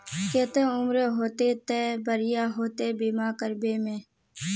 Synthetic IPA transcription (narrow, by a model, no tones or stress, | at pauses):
keːt̪ẽʊmɾeɦoːt̪eːt̪eːbəɾɪjaːɦoːt̪eːbiːmaːkəɾbeːmẽː